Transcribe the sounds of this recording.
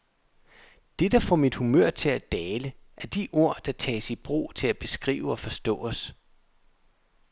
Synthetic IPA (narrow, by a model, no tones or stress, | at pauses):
d̥e̝d̥ɑ̈fɒmid̥humøɐ̰t͡sʰe̝læd̥ɛːləʔæɐd̥iʔo̝ɐ̰d̥ɑ̈t͡sʰɛ̰ːsi̥b̥ʁo̝̰ːt͡sʰe̝læb̥e̝sɡ̥ʁḭːʊəɒ̽fɒ̽sd̥ɔ̰̽ːɒs